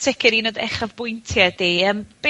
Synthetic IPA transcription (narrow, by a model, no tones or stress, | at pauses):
tʰɪkʰɪɾinodɛ̰χavbʊjntʰjadiəːmb̥e